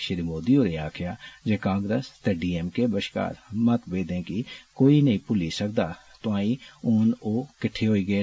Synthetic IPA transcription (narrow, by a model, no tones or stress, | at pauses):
ʃɪɾimoːd̪ioːɾeːaːkʰɪjaːd͡ʒeːkãːŋɡɾəst̪eːɖiːɛmkeːbəʃka̰ːɾmət̪beːd̪ẽːkikoːiːnəĩːpʊliːsəkd̪aː | t̪ʊãːiːʊnoːkɪʈʰeːɦoːiːɡəeː